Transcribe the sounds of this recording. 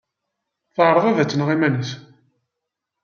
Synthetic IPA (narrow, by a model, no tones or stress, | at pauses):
θəʕɾˤəðˤævæt͡sːənʁimænəs